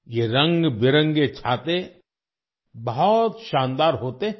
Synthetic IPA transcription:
jeɾɐ̃ŋɡbɪɾə̃ŋɡet͡ʃʰaːt̪e | bɐɦɔt̪ʃãːnd̪aːɾɦoːt̪e

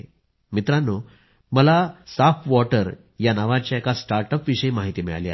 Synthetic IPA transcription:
mit̪ɾanːo | məlasafʋɔʈəɾ | janaʋat͡ɕjaekasʈaɾʈəpʋiɕəimaɦit̪iːmiɭa̰lia̰

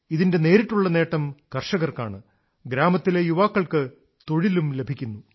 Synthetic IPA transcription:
iðinde̞ne̞ːɾiʈːuɭːɐne̞ːʈːɐmkɐrʂɐɣɐrkaːɳɨ | ɡɾaːmɐt̪ːilejuʋaːkːɐɭkɨ | t̪o̞ɻilumle̞bʱikʲːunːu

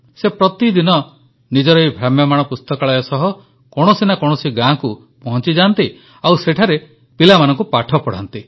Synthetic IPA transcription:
sepɾɔt̪id̪inɔ | nid͡ʒɔɾɔjbʱɾamjɔmaɽ̃ɔpust̪ɔkɔɭajɔsɔɦɔ | kɔɽ̃ɔsinakɔɽ̃ɔsiɡãku | pɔɦɔnt͡ʃid͡ʒant̪i | awseʈʰaɾe | pilamanɔ̃ŋkupaʈʰɔpɔɽ̤a̰nt̪i

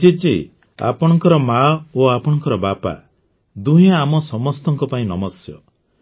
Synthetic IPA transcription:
d͡ʒet͡ʃḛ | a̰pɔɽ̃ɔŋkɔɾɔmaoapɔɽ̃ɔŋkɔɾɔbapa̰ | d̪uɦẽamɔsɔmɔst̪ɔŋkɔpaĩnɔmɔsjɔ̰

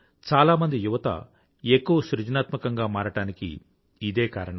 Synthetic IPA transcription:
t͡ʃaːlaːmɐnd̪ijuʋɐt̪ɐ̰ | ekːuʋɐsɾud͡ʒɐnaːt̪mɐkɐŋɡaːmaːɾɐʈaːnikḭː | d̪e̞ːkaːɾɐɳɐm

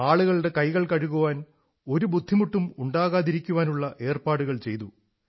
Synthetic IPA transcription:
aːɭuɣɐɭɽe̞kɐjɣɐɭkɐɻuɣuʋaːn | o̞ɾubud̪ʱːimuʈːumuɳɖaːɣaːðiɾikʲːuʋaːnuɭːɐʔe̞ːrpaːɽuɣɐɭt͡ɕe̞jt̪ṵ

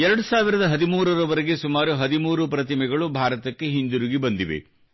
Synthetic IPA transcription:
ɛɾɐɽusaːʋiɾɐd̪ɐɦɐd̪imuːɾɐɾɐʋɐɾeɡe̞sumaːɾuɦɐd̪imuːɾupɾɐt̪̬imɛɡɐɭubʱaːɾɐt̪ɐkːe̞ɦind̪uɾuɡibɐnd̪iʋḛ

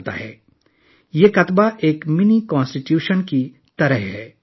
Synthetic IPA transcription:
t̪a̰ɦɛː | jeːkɐt̪baʔeːkmɪnikãːnsʈɪʈjuːʃənki | t̪ɐɾəɦɦɛː

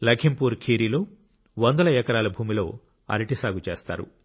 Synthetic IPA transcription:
lɐɡʰimpuːɾkʰiːɾiːlo̞ː | ʋɐnd̪ɐlɐɛkɐɾaːlɐbʱuːmilo̞̰ː | ɐ̰ɾiʈisaːɡut͡ʃeːst̪a̰ːɾṵ

